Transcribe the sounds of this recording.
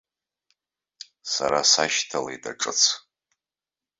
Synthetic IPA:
saɾasaʃtʰalajda̰ʈ͡ʂʼɨt͡sʰ

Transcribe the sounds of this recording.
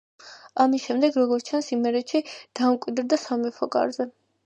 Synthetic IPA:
amisʃɛmd̪ɛɡɾɔɡɔɾt̪ʰt͡ʃʰansimɛɾɛʃʰid̪̥amkʼwid̪ɾd̪asamɛpʰɔkʼa̰ɾzɛ

